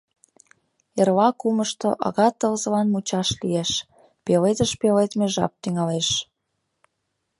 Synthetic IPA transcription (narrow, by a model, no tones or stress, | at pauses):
erlɑkuməʃt̪o̰ʔɑ̰ɣɑt̪ːəlzə̆lɑnmut͡ɕɑʃlieʃ | pelet̪əʃpelet̪meʒɑ̰p̚t̪yŋɑleʃ